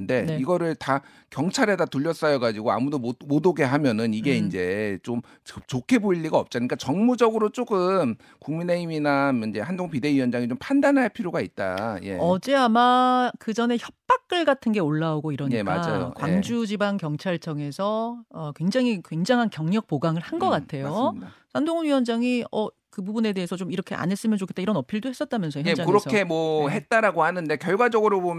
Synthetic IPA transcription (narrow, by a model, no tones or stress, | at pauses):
nde̞niɡʌɾɯɭta | kjʌŋt͡ɕʰaɾe̞datuʎːʌs͈ʌjʌɡad͡ʑiɡoa̰mudomomodoɡe̞ɦamjʌnɯniɡe̞ind͡ʑe̞t͡ɕom | ɯt͡ɕokʰe̞boiʎːiɡaʌp̚t͡ɕ͈aɲik͈at͡ɕʌŋmud͡ʑʌɡɯɾot͡ɕ͈oɡɯm | kuŋmine̞iminamʌnd͡ʑe̞handoŋpide̞ijʌnd͡ʑaŋit͡ɕompʰandanaɭpʰiɾjoɡait̚t͈a̰je̞ʌd͡ʑe̞amakɯd͡ʑʌne̞çjʌp̚p͈ak̚k͈ɯɭɡatʰɯnɡe̞oɭːaoɡoiɾʌɲika̰ad͡ʑajo̰kwwa̰ŋd͡ʑud͡ʑibankjʌŋt͡ɕʰaɭt͡ɕ͈ʌŋe̞sʰʌʌkwe̞ŋd͡ʑaŋikwe̞ŋd͡ʑaŋɦankjʌŋɲʌk̚p͈oɡaŋɯɭhanɡʌk͈atʰe̞joasʰandoŋɯnɥijʌnd͡ʑaŋiʌ | kɯbubune̞de̞esʰʌt͡ɕomiɾʌkʰeʔa̰nɦe̞s͈ɯmjʌnt͡ɕokʰi̥t͈eiɾʌnʌpʰiɭdohe̞s͈ʌt̚t͈amjʌnsʰʌjeakɯɾʌʌkʰe̞mwʌɦet̚t͈aɾaɡohanɯnde̞kjʌɭɡwad͡ʑʌɡɯɾobom